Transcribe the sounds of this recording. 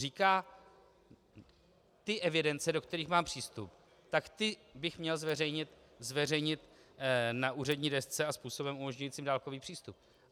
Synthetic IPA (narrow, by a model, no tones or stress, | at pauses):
riːkaː | t̪ɪʔɛvɪdɛnt͡sɛdo̞kt̪ɛɾiːxmaːmpr̝̥iːst̪up | t̪akt̪ɪbɪxmɲɛlzvɛrɛjɲɪt̪ | zvɛr̝ɛjɲɪt̪ | naʔuːrɛdɲiːdɛst͡sɛaspuːso̞bɛmʔumo̞ʒɲujiːt͡siːmdaːlko̞viːpr̥iːst̪up̚